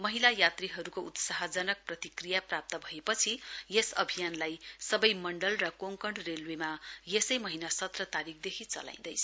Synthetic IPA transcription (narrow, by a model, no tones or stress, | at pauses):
mʌɦilajat̪riɦʌɾukout̪saɦʌd͡zʌnʌk̚prʌt̪ikrijaprap̚t̪ʌbʱʌepʌt͡sʰijesʌ̰bʱijanlajsʌbʌjmʌɳɖʌlrʌkoŋkʌɳɖrelwemajesʌjmʌɦinasʌt̪rʌt̪aɾikʰd̪ekʰit͡sʌ̰la̰j̃nd̪ʌjt͡sʰʌ